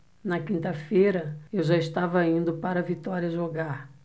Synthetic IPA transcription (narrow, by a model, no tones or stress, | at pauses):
nɐkĩnt̪ɐfejɾɐewʒaiʃt̪avɐĩnd̪ʊpaɾɐvit̪ɔɾiɐʒoɡaɾ